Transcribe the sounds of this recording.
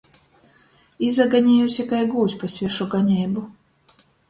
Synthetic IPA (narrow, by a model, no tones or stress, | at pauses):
izaɡaɲɛjusʲakajɡuːsʲpasʲvʲɛʃuɡaɲʲɛjbu